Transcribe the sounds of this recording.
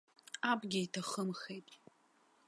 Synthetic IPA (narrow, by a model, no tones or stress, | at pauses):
abɡʲɪitʰaχəmχejtʼ